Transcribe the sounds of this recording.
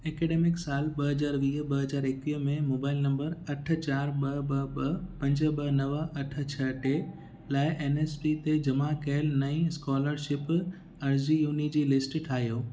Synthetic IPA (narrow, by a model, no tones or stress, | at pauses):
eːkeːɖeːmɪksaːlɓɐɦɐzaːɾʋiːɦɓɐɦɐzaːɾɪkʋiːɦmẽmoːbaːɪlnɐ̃mbəɾɐʈ̆ʰt͡ɕaːɾɓɐbɐɓɐpɐ̃ɲd͡ʑə̆ɓɐnɐʋəɐʈʰə̆t͡ɕʰɐʈe | laːɪʔeːneːspit̪ed͡ʑɐmakeɪlnɐĩskɔːləɾʃɪp | ɐɾd͡ʑijuːnid͡ʑiːlɪsʈʈʰaːɦijoː